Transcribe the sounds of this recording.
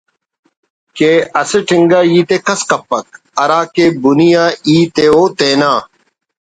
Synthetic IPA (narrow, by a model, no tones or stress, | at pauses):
keːɐseʈʰɪŋɡaːiːt̪eːkɐskɐpːɐk̚ | ɐɾaːkeːbunijaːiːt̪eːoːt̪eːnaː